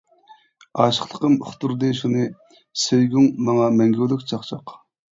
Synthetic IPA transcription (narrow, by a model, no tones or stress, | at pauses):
ɑːʃə̥χlˠəqəmy̰χt̪uɾd̪ɨʃunɨ | søjɡʲyŋmɑŋɑmɛŋɡʲywlykʲt͡ʃʰɑχt͡ʃʰɑq